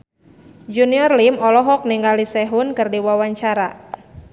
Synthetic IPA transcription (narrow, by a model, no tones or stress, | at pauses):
d͡ʒuniɔrlimɔlɔɦɔk̚niŋɡalisɛɦunkɨrdiwawaɲt͡ʃaɾa